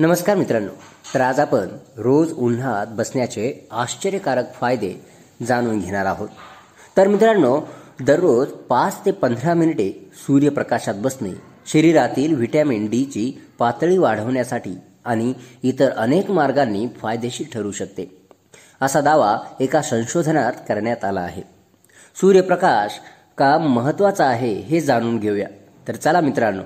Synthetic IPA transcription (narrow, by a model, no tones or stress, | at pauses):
nəməskaɾmit̪ɾaɳːo̰t̪ɾad͡zapənɾod͡zun̤at̪bəsɳjat͡seaɕt͡ɕəɾjəkaɾəkfajd̪e | d͡zañuːnɡʱeɽ̃aɾaɦot̪ː | əɾmit̪ɾaɳːod̪əɾːod͡zpat͡st̪epənd̪ʱɾaminiʈesuɾjəpɾəkaɕat̪̚bəsnḭ | ɕəɾiɾat̪iːlʋiʈamiɳɖit͡ɕiːpat̪ɭiːʋaɽ̤əʋɳjasaʈʰiː | aɽ̃iːt̪əɾʔənekmaɾɡanːiːfajd̪eɕiːʈʰəɾuːɕək̚t̪e | əsad̪aʋaekasə̃ɕod̪ʱənat̪kəɾɳjat̪ala̰ːɦḛ | suɾjəpɾəkaɕ | kamːəɦət̪ːʋat͡saːɦeɦed͡zaɽ̃uːnɡʱeʋja̰ | t̪əɾt͡səlamit̪ɾanːo̰